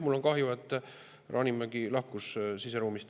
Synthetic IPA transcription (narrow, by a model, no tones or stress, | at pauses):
mulːo̞nkɑhjuvɑt̪ːˑ | rʔɑ̰ːnimːæɡilɑhkussiseɾuːmist̪